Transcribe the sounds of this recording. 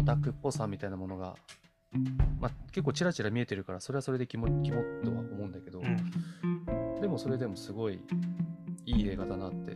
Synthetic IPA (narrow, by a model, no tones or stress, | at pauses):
t̪akɯ̟pːo̞sãmʲːit̪ainamo̞no̞ɡa̰ | make̞kːoːt͡ɕiɾat͡ɕiɾamʲie̞t̪e̞ɾɯ̟kaɾaso̞ɾe̞aso̞ɾe̞d̪e̞kʲimkʲimot̪ːo̞̰βa̰o̞mo̞ɯ̟̃nd̪ake̞d̪o̞ | d̪e̞mo̞so̞ɾe̞d̪e̞mo̞sɨɡo̞ḭ | iːe̞ːɡad̪anat̪ːe̞̰